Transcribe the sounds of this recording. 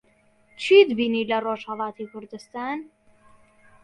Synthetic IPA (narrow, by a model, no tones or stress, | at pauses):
t͡ʃʰid̪binilaɾoʒhalˠɑːt̪ʰikʊɾd̪ɨst̪aːn